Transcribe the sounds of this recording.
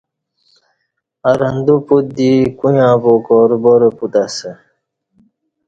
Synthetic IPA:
ɐɾɐnd̪uput̪̚d̪ikujãːpokoɾboɾeput̪asə

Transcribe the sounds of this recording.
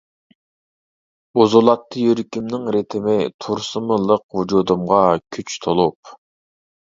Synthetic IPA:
bozolˠɑt̪ːɨjøɾikʲimnɪŋɾet̪ʰɪmɪt̪ʰuɾsɨmɨlˠəq̚vud͡ʒud̪umʁɑkʲʰyt͡ʃt̪ʰolˠup̚

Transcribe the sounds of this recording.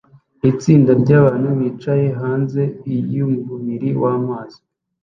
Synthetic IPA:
it͡siːndaɾɟaːβaːnhuβiːt͡ʃaje̞ɦaːnze̞ijumuumiɾiwaːmaːz̥i

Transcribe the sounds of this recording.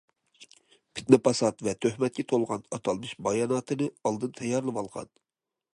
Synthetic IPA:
pʰɪ̥t̪̚nɪpʰɑsɑt̪vɛt̪ʰøhmɛt̪̚kʲɛt̪ʰolˠʁɑnɑt̪ʰɑlˠmɨʃbɑjɑnɑːt̪ʰɨnɨɑlˠd̪ɨnt̪ʰɛjɑɾlˠɨvɑlˠʁɑ̰n

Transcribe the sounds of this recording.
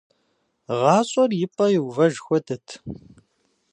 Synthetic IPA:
ʁɑːɕʼɔrjɪpʼɐjɪwvɐʒxʷɔdɐtʰ

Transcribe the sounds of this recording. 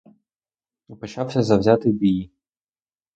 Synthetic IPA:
ipɔt͡ʃɑwsʲɐzɐwzʲat̪ɪbʲiji

